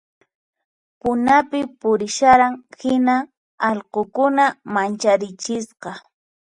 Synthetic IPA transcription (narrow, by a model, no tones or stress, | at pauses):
pʊnapɪpʊɾɪʃaɾaŋhɪna | ɑʎqokʊnamant͡ʃaɾɪt͡ʃɪsqɑ